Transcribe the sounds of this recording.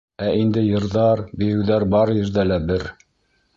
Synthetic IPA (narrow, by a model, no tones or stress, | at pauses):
æʔind̪ɘjɤ̆ɾðɑɾbɘ̆jɘ̆wðæɾbɑɾjɘ̆ɾðælæbɘɾ